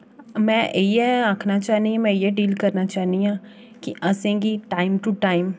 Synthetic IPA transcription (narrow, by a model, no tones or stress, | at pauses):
mɛ̃ːʔjeaːkʰnat͡ʃaːɦniãmɛ̃jeɖiːlkəɾnat͡ʃaːɦniãː | kiʔɐsẽːɡiʈaːɪmʈuʈaːɪm